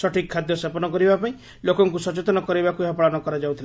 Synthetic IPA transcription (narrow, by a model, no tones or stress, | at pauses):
sɔʈʰikʰːad̪jɔsepɔnɔkɔɾibapaĩ | lokɔŋkusɔt͡ʃet̪ɔnɔkɔɾibakueɦɔpɔɭanɔkɔɾad͡ʒawt̪ʰil